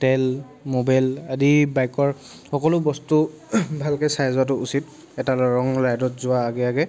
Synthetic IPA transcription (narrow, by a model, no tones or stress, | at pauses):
tɛl | mobajladibajkɔɹ | xɔkɔlʊbɔstu | bʱalkɛsajzat̬ʊusit | ɛtalɹɔŋlajdɔtzʊaːɡɛaɡɛ